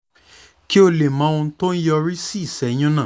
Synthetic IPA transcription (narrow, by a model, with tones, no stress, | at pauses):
ki˦o˧le˨mã˨˦ũ˧˦tõ˦n̩˦jɔ˧ɾi˦si˦˨sɛ˨˦j̃ɔ̃˦nãː˦˨